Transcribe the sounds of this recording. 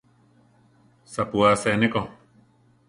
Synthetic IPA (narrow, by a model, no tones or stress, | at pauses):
sapuaseneko